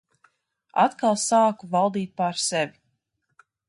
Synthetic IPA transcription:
a̰t̪kalˠsaːkuvalˠd̪iːt̪̚paɾsɛvi

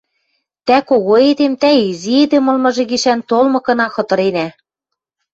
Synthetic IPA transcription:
t̪ækoɣoed̪emt̪æizied̪emɤ̆lmɤ̆ʒĕɣiʃænt̪olmɤ̆kɤ̆nɑxɤ̆t̪ɤ̆ɾenæ

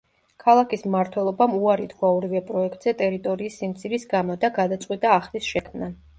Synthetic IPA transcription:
kʰalˠakʰismaɾt̪ʰwɛlˠɔbamuaɾid̪ɡwaɔɾivɛpʼɾɔɛk̚ʰt̪ʼz̥ɛt̪ʼɛɾit̪ʼɔɾiːsːimt̪sʰiɾisɡamɔd̪aɡad̪at̪sʼqʼwit̪ʼaːχlisʃɛkʰmna

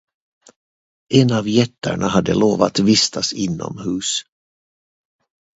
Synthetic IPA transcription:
ʔɛnavjɛt̪ʰːə̰ɳaɦad̪ːəloːvat̪vɪst̪ʰasɪnːɔ̰mhʉ̟ːs

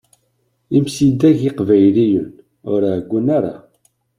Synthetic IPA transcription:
imsid̪æʝiqvæjlijən | ʊɾhɡʷːənaɾa̰

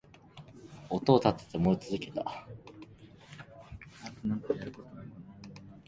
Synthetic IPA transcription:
ot̪o̞ːt̪at̪ːe̥t̪emo̞it͡sɨzɨke̞t̪a | nat̪onãŋkajaɾɯ̟kot̪onaona

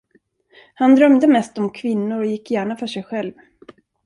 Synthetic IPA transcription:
hand̪ɾœmd̪əmɛst̪ɔmkʰvɪnːʊɾɔjɪkːjæːɳafœʂɛjɧɛlv

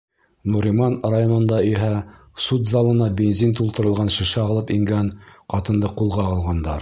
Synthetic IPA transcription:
nuɾʲimɑnrajonɤ̆nd̪ɑiɦæ | sut̪zɑlˠɤ̆nɑbʲenzʲint̪ulˠt̪ɤ̆ɾɤ̆lˠʁɑnʃɘ̆ʃɘɑlˠɤpiŋɡænqɑt̪ɤ̆nd̪ɤqulˠʁɑɑlˠʁɑnd̪ɑɾ

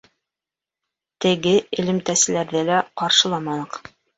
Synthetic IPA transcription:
t̪ɘ̆ɡɘɘ̆lɘ̆mt̪æsɘ̆læɾðɘlæqɑɾʃɤ̆lˠɑmɑnɤq

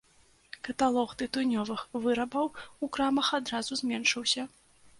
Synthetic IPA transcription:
kɐt̪alˠɔxt̪ɨt̪unʲɔvɨxvɨɾɐbɐwukɾamɐxad̪ɾazuzʲmʲɛnʂɨwsʲɐ

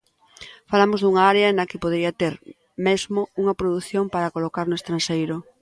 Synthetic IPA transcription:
falamozðuŋaaɾeɐnɐkɪpoðɾiɐt̪eɾ | mezmouŋɐpɾoðuθjompaɾɐkolokaɾnʊest̪ɾanʃejɾʊ

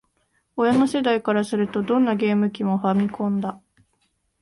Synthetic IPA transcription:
o̞jano̞se̞d̪aikaɾasɨɾɯ̟t̪o̞d̪õ̞nːaɡe̞ːmɯ̟kʲimo̞ɸamʲikʰõ̞nd̪a

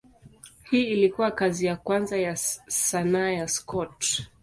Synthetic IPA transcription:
hiːilikuwakazijakwanzajasanaːjaskɔt

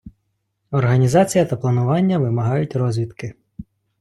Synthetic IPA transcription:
ɔrɦɐnʲizɑt͡sʲijɐt̪ɐplˠɐnʊʋɑnʲːɐʋɪmɐɦɑjʊtʲrɔzʲʋʲit̪kɪ

